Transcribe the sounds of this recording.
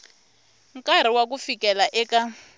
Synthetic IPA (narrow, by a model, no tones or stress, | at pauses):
ŋkʼaɾ̤iwakufikɛlaʔɛka